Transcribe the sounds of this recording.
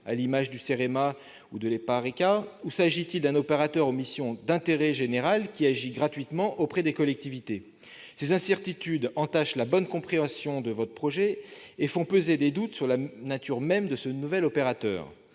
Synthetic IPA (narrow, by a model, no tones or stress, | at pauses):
a̰limaʒd̪yseʁema | ud̪əlepaʁekausaʒit̪ild̪ɛ̃nɔpeʁat̪œʁɔ̃misjɔ̃d̪ɛ̃t̪eʁɛʒeneʁalkʲiaʒiɡʁat̪ɥit̪mɑ̃ʔopχɛd̪ekɔlɛk̚t̪ivit̪e | sezɛ̃sɛʁt̪it̪yd̪ɑ̃t̪aʃlabɔnkɔ̃pχeɑ̃sjɔ̃d̪əvɔt̪χəpχɔʒɛefɔ̃pøzed̪ed̪ut̪syʁlanat̪yʁmɛmd̪əsənuvɛlɔpeʁat̪œ̰ːʁ